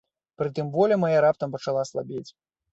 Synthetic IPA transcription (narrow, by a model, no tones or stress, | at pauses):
pɾɨt̪ɨmvɔlʲɛmajaɾap̚t̪ɐmpɐt͡ʂalˠaslˠabʲet͡sʲ